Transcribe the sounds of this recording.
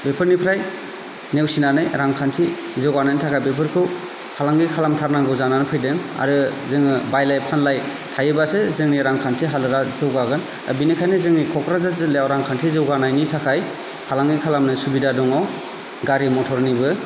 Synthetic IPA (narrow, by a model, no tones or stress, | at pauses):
bepʰɯɾnipʰɾaj | newsinanɯjɾaŋkʰantʰi | zɯwɡanajnitʰakʰajbepʰɯɾkʰɯ | hʰalaŋɡikʰalamtʰaɾnaŋɡɯzananɯpʰɯjdɯŋa̰ɾɯzɯŋɯbajlajpʰanlaj | tʰajɯbasezɯŋniɾaŋkʰantʰiɦalɯɾazɯwɡaɡɯn | a̰binikʰajnɯzɯŋnikʰɔkʰɾazazɯlejawɾaŋkʰantʰizɯwɡanajnitʰakʰaj | hʰalaŋɡikʰalamnɯsubidadɔŋɔw | ɡaɾimɔtʰɔɾnibɯ